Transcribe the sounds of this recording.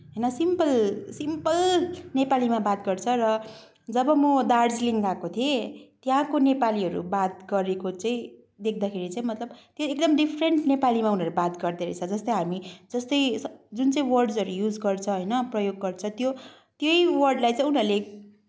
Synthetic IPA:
ɦʌjnʌsimpʌlsimpʌlnepalimabat̪̚ɡʌrt͡sʰʌrʌ | d͡zʌbʌmʌd̪ard͡zliŋɡakot̪ʰiet̪jãkonepaliɦʌɾṵbat̪̚ɡʌɾekot͡saĩ | d̪ekʰd̪akʰeɾit͡saĩmʌt̪lʌbt̪joek̚d̪ʌmɖipʰreɳʈnepalimaunʌɾubat̪ɡʌrd̪eɾʌt͡sʰʌd͡zʌst̪ʌjɦamid͡zʌst̪ʌjd͡zunt͡saĩwʌrɖd͡zʌɾujud͡zɡʌrt͡sʰʌɦʌjnʌprʌjoɡːʌrt͡sʰʌt̪jo | t̪jojwʌrɖlajt͡sãĩunɦʌrle

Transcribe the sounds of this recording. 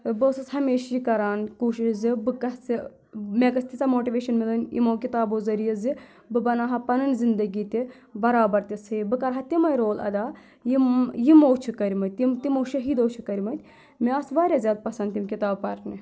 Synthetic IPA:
bɐːsɐsɦɐmeːʃjikɐɾaːnkuːʃiʃzibɨkɐsi | mʲeːkɐst̪it͡sɐmoːʈiʋeːʃɐnmilɐnḭmoːkit̪aːboːzɐɾijɐzi | bɨbɐnaːɦɐpɐnɐnzind̪ɐɡiːt̪ʲi | bɐɾaːbɐɾt̪ʲishɨbɨkɐɾɦɐt̪imɐjɾoːlʔɐ̰d̪aː | jijimoːwt͡ʃʰikɐɾʲmɐt̪̚ʲːimt̪imowʃɐɦiːd̪oːt͡ʃʰikɐɾʲmɐt̪ʲ | meɐsʋaːɾʲaːzʲjaːd̪̚pɐsɐnd̪t̪imʲkʲit̪aːbpɐɾni

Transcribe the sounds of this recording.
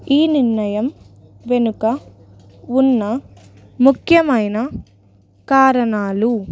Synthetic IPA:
iːniɾnɐjɐm | ʋe̞nukɐ | unːɐ | mukʰjɐmɐjnɐ | kaːɾɐnaːlu

